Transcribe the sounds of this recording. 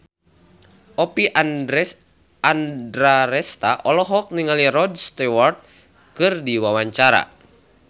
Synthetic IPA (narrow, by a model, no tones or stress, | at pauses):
ʔɔpi | andɾaɾɛst̪aʔɔlɔɦɔk̚niŋaliɾɔdst̪ɛwart̪̚ | kɨrdiwawaɲt͡ʃaɾa̰